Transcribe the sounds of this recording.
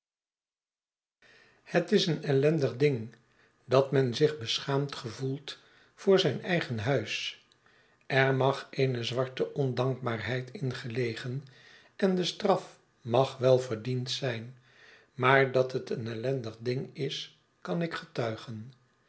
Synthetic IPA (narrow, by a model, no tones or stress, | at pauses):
hətɪsənɛlɛndəχdɪŋ | dɑtmɛnzɪχbəsχaːmtχəvulˠt | fʊːɹzɛjnɛjχənɦœɥs | ʔɛɹmɑχejnəzʋɑɹtəʔɔndɑŋk̚baːɹɦɛjtʰɪnχəlejχən | ʔɛndəstrɑf | mɑχʋɛlˠvəɹdintsɛjn | maːɹdɑtɦətənɛlɛndəχdɪŋɪs | kɑnɪkχətœɥχən